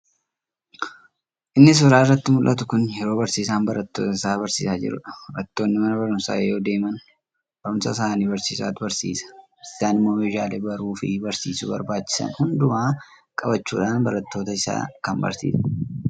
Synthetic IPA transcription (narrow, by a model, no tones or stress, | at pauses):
ʔɪnːɪs̬ɔɾaːɪrːɐt̪ːɪmʊlʔɐt̪ʊkʊnjɛɾo̞ːbɐɾsiːs̬aːmbɐɾɐt̪ːoːt̪ɐɪsaːbɐɾsḭːsaːd͡ʒɪ̰ɾʊ̰ᶑɐɾɐt̪ːo̞ːnːɪmɐnɐbɐɾʊmsa̰ːejoːd̪e̞ːmɐn | b̥ɐɾʊmsɐs̬aːniːbɐɾsiːsa̰ːt̪ʊbɐɾsḭːsɐ̥ | sɪsaːnɪmːo̞ːmeːd͡ʒaːleːbɐɾuːfɪbɐɾsiːsʊbɐ̰ɾbaːt͡ʃːɪ̥sɐ̰nhʊnd̪ʊmaː | kʼɐbɐt͡ʃːṵːᶑaːnbɐɾɐt̪ːo̞ːt̪ɐɪsa̰ːkɐmbɐ̰ɾsḭːs